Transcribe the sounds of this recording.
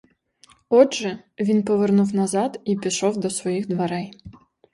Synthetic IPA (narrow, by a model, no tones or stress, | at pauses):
ɔdʐɛ | ʋʲinpɔʋɛrnuwnɐzat̪ipʲiʃɔwd̪ɔsʋɔjixd̪ʋɐɾɛj